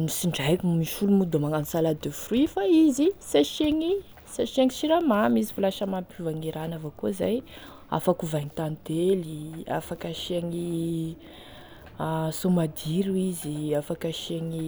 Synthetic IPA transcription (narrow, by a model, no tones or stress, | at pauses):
nisiɳɖ͡ʐajkʲumiʃulumud̪omaŋamisalad̪efruifaizisaʃeŋi | saʃeŋiʃiɾamamizifulaʃəmampuvaŋiɾanavokoza̰j | a̰fakuvaŋit̪and̪elia̰fakaʃieŋi | asomad̪iɾuiziafakaʃeŋi